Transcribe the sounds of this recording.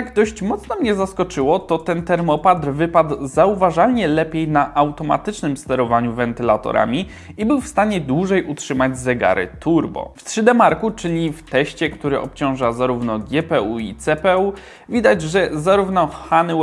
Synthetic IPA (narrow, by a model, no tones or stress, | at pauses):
jaɡd̪ɔɕt͡ɕmɔt̪snɔmɲɛzaskɔt͡ʂɘwɔt̪ɔt̪ɛnt̪ɛɾmɔpad̪ɾvɘpad̪zauvaʐalɲɛlɛpʲjejnaʔawt̪ɔma̰t̪ɘt͡ʂnɘmst̪ɛɾɔvaɲuvɛnt̪ɘlat̪ɔ̰ɾa̰mʲi | ibɘwfst̪aɲɛd̪wuʐɛjʔutʂɘmad͡ʑzɛɡa̰ɾɘ̰t̪ʰuɾbɔ̰ft̪ʂɘd̪ɛmaɾkut͡ʂɘɲift̪ɛɕt͡ɕɛkt̪uɾɘʔɔ̰pt͡ɕɔ̃w̃ʐazaɾuvnɔɡʲjɛpɛuit̪sɛpɛu | vʲid̪ad͡ʑʐɛzaɾuvnɔxan